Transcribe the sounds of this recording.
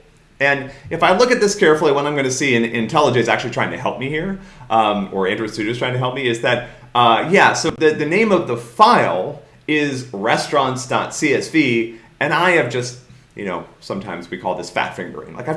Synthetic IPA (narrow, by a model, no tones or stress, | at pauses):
ɨ̃nɨfaɪlʊkɨt̪̚ðɪskʰɛɹfl̩ˠiwʌ̃ɾ̃ãɪ̃mɡʌnɨsiɨ̃nɪ̰̃ntʰɛlˠəd͡ʒɨ̃sæ̰k̚t͡ʃʉl̩ˠitɹ̥aɪɪ̃ŋtʰɨɦɛ̰lˠp̚mihiɹʔʌ̃ə˞ɪ̰̃nt͡ʃɹ̥ɨstɨd͡ʒʌtɹ̥aɪɪ̃ŋtʰɨɦɛlˠp̚miɪzðɨt̚ | ʌjæsoʊðɨðɨnẽɪ̃mʌvðəfaɪlˠ | ɪzɹɛstɹ̥ɑ̃ntsd̥ɑ̰tsiɛsv̥i | ɨ̃naɪɨvd͡ʒʌst̚ | jɨ̰noʊsʌ̃mtʰã̰ɪ̃mzwikʰɔ̰lˠðɪsfæ̰tfɪ̃ŋɡə̰˞ɪ̰̃ŋlaɪkaɪ